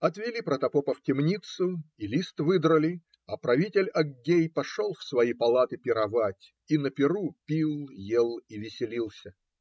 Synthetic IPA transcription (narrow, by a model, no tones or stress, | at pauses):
ɐt̪vʲɪlʲipɾət̪ɐpopəftʲɪmnʲit̪sʊilʲist̪vɨd̪ɾəlʲɪ | ɐpɾɐvʲitʲɪlʲɐɡʲejpɐʂolˠfsvɐjipɐlˠat̪ɨpʲɪɾɐvatʲ | inəpʲɪɾupʲilˠjelˠivʲɪsʲɪlʲilˠsʲə